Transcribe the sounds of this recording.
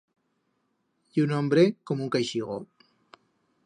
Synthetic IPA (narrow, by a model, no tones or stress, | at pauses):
junɔmbɾekomuŋkajʃiɣo̰